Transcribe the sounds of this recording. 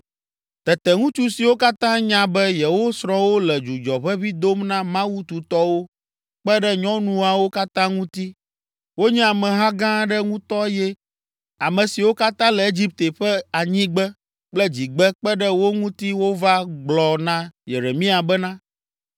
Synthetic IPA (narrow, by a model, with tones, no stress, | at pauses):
t̪ɛ˨t̪ɛ˨ŋũ˦t͡ʃu˦si˨wo˦ka˦t̪ã˦ɲã˦bɛ˦jɛ˨wo˦sɾɔ̃˦wo˦lɛ˨d͡ʒu˨d͡ʒɔ˨βɛ˦βi˦d̪o˦mnã˦mã˦wu˦t̪u˨t̪ɔ˦wo˦ | k͡pɛ˦ɖɛ˦ɲɔ̃˦nũ˨a˨wo˦ka˦t̪ã˦ŋũ˦t̪i˦ | wo˦ɲɛ̃˦a˨mɛ̃˨ɦã˦ɡã˦ɖɛ˦ŋũ˦t̪ɔ˦jɛ˦ | a˨mɛ̃˨si˨wo˦ka˦t̪ã˦lɛ˨e˦d͡ʑi˦p̚t̪e˨ɸɛ˦a˨ɲĩ˦ɡ͡bɛ˦ | k͡plɛ˦d͡ʑi˨ɡ͡bɛ˦k͡pɛ˦ɖɛ˦wo˦ŋũ˦t̪i˦wo˦va˦ɡ͡blɔ˨nã˦jḛ˨ɾe˨mĩ˦a˨bɛ˦nã˦